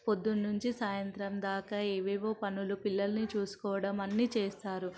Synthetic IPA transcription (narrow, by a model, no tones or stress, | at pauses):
po̞d̪ːunːuɲt͡ʃisaːjɐnt̪ɾɐmd̪aːkaeːʋeːʋo̞ːpɐnulupilːɐlɐnit͡ʃuːsu̥kɔːʋɐɽɐmɐnːit͡ʃeːst̪aːɾu